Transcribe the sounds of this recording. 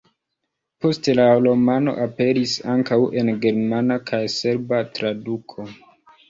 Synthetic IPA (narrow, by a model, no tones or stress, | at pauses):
po̞stelalomano̞̰ʔape̞ɾisaŋkawʔe̞nɡe̞ɾmanakʰajse̞ɾbatɾadukʰo̞